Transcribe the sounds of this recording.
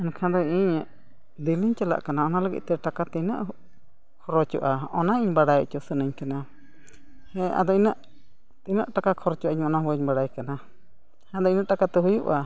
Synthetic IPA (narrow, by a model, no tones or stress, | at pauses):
ɛnkʰãd̪ɔiɲʔ | d̪iliɲt͡ʃala̰ʔkanaɔnalaɡḭʔt̪ɛʈakat̪ɛinə̰ʔ | kʰɔɾɔt͡ʃṵʔaɔnaiɲbaɽajt͡ʃusənəɲkana | hɛ̃a̰d̪ɔinaʔ | t̪ina̰ʔʈakakʰɔɾɔt͡ʃuʔaiɲɔnahəɲbaɽajkana | had̪ɔinãʔʈakat̪ɛɦujuʔa